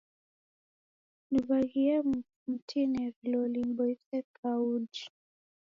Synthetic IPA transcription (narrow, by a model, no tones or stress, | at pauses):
nuvaɣiɛ | m̩tʰinɛɾilɔlimbɔisɛkʰaud͡ʒi